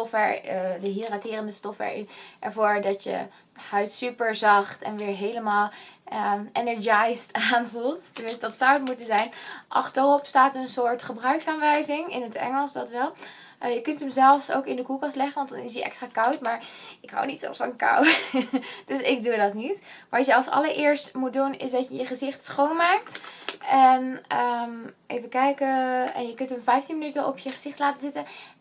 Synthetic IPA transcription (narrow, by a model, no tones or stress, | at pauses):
ɔfɛɹdəɦiratɪːrəndəstɔfɛ̰ɹʔɛ̰ɹvʊːɹdɑtjə̰ | hœɥtsypəɹzɑχtɛ̰nʋɪːɹɦejləmaːlˠəʔɛnɛɹd͡ʒajstaːnvulˠttəmɪ̃nstədɑtsawətmutənzɛjnʔɑ̰χtərɔpstaːtənsʊːɹtχəbrœɥksaːnʋɛjzɪŋɪnətɛ̰ŋəlˠsdɑtʋɛlˠ | jəkɵntəmzɛlˠfso̰wkɪndəkulˠkɑstlɛχənʋɑntdɑnɪs̬jəʔɛ̰kstraːkʌwtmaːɹɪkɦa̰wnitso̰pfɑnka̰w | d̥ɵsɪɡ̚dudɑtnitʋɑtjəɑlˠsɑ̰ləɹʔɪːɹstmut̚dunɪsdɑtjəjəχəzɪχtsχownmaːk̚tɛnəmʔejvəkɛjkəɛ̰njəkɵntəmvɛjftinmənytənɔpjəχəz̥ɪχtlaːtəzɪtən